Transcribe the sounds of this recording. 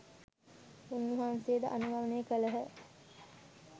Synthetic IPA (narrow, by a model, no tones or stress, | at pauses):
unːuɦaːnsejːd̪ə̰ʔanubʱaʋənejəkələɦə